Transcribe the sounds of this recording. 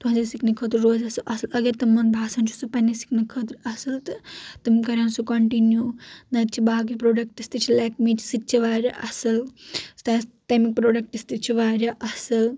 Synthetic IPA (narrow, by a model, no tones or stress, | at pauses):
t̪uɦɐ̃nd͡ʒɐsiknɐkʰɐt̪ɾːoːzɐsɐlʔɐsɐlɐɡɐɾt̪ɐmːɐnbʱaːsɐnt͡ʃʰu̥supɐnːisi̥knɐkʰɐt̪ɾɐsɐlt̪ɨt̪ɨmkɐɾʲjaːnsukoɳʈinjuːnɐt̪t͡ʃʰibaːɡipɾoːɖɐk̚ʈist̪it͡ʃʰilɐːkmit͡ʃʰsit͡ʃʰiʋaːɾʲjɐ̰ʔɐsɐlst̪aːstɐmik̚pɾoːɖɐk̚ʈist̪ɨt͡ʃʰiʋaːɾʲɐʔɐsɐl